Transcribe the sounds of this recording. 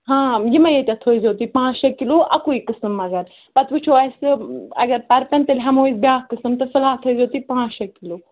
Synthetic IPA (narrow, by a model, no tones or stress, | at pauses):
ɦãːjimɐjet̪ʲat̪ʰoːizoːt̪ipãːt͡ʃɐkːiloʔɐ̰kuikɨsɨmɐɡɐɾ | pɐt̪ʋut͡ʃʰoɐsɨɐ̰ɡɐɾpɐɾpɐnt̪ɐlʲɦɐmoːizbjaːkɨsɨmt̪ɨfɐlaːt̪ʰozoːt̪ipãːt͡ʃɐkilo